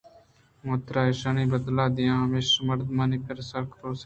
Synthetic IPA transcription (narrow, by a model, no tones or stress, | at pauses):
mõːt̪ɾaːeʃaːniːbəd̪laːd̪ɪjãːɦəmeːʃməɾd̪maːniːkəɾsəɾkʰɾoːs